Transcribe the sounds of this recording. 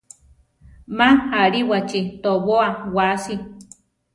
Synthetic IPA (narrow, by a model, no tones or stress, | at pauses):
mahaɾiwat͡ʃit̪oβoawasi